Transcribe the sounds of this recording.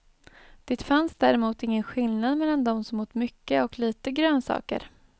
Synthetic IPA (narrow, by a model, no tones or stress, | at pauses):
d̪̥ɪt̪fansd̪æɾɛmuːt̪ɪŋːənɧɪlnad̪mɛlːand̪ɔmsɔmhʊʈ̪mʏkːəɔkliːt̪əɡɾøːnsɑ̰ːkə̰ɾ